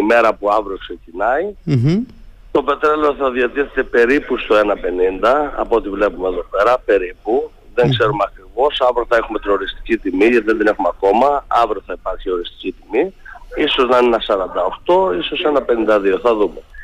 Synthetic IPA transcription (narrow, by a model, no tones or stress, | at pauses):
ime̞ɾɐpuɐvɾiokse̞cinɐi | t̪o̞pe̞t̪ɾeleoθɐðiɐt̪iθe̞t̪epe̞ɾipust̪oe̞nɐpe̞nind̪ɐ̰ːpoot̪ivle̞pumeːðo̞pe̞ɾɐpe̞ɾipu | ðe̞ŋɡse̞ɾumeɐkɾivo̞sɐvɾoθɐe̞xume̞t̪ino̞ɾist̪i̥cit̪imiʝɐt̪iðenðine̞xumeɐko̞mɐɐvɾioθɐipɐɾçio̞ɾist̪i̥cit̪imiiso̞znɐnenɐsɐɾɐnd̪ɐo̞xt̪o̞iso̞se̞nɐpenind̪ɐðio̞θɐðume̞